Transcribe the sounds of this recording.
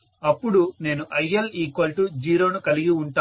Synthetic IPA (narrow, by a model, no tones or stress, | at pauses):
ɐpːuɽune̞ːnuʔɐjeliːkɐlʈud͡ʒiːɾo̞ːnukɐliɡiuɳʈaː